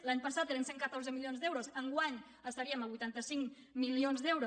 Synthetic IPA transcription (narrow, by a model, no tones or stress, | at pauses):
laɲpəsat̪ːeɾənseŋkət̪orzəmilijonzd̪ɛwɾozəŋɡwaɲ | əst̪əɾiəməβujt̪ant̪əsiŋ | milionzd̪ɛwɾo